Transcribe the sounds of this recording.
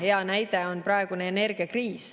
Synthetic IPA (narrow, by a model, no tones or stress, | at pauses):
he̞ɑnæjd̪eo̞nprɑeɡ̥uneːne̞rɡ̥iɑkriːs